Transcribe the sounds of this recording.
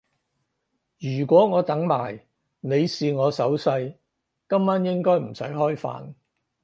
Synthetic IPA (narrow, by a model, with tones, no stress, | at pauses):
jyː˨˩kʷɔː˨˥ŋɔː˨˧t̪ɐ˨˥ŋmaː˨˩j | ne˨˧jsiː˨ŋɔː˨˧sɐ˨˥wsɐ˧j | kɐ˥mːaː˥njɪ˥ŋkɔː˥jm̩˨˩sɐ̰˨˥jɦɔː˥jfa̰ː˨n